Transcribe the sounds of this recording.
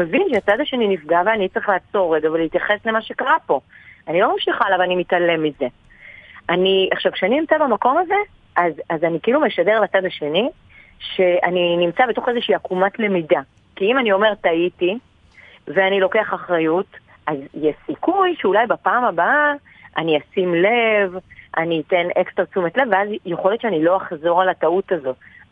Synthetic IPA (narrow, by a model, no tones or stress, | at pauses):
mevinʃeat͡sad̪aʃe̞ninifɡaveanit͡sʁeχlaat͡so̞ʁːeɡaveleit̪jaχe̞slemaʃe̞kaʁapo̞anilo̞mamʃiχaːlavanimitale̞mize̞ | aniaχʃavkʃeaninimt͡sabamako̞maze̞ | ʔazazanikeilume̞ʃade̞ʁlat͡sad̪aʃe̞ni | ʃe̞aninimt͡sabetoχe̞zeʃiːakumatlemida | kiimanio̞me̞ʁtaiti | veanilo̞ke̞aχaχʁajut | ʔazjesikujʃeulajbapaːmaba | aniasimle̞vʔaniːte̞nekst̪ʁat͡sumetle̞vːeazjeχo̞ljotʃeanilo̞aχzo̞ʁalatautazo̞